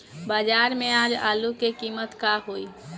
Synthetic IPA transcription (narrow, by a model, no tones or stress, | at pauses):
baːd͡ʒaːɾmẽaːd͡ʒa̰ːlukekiːmət̪kaɦoi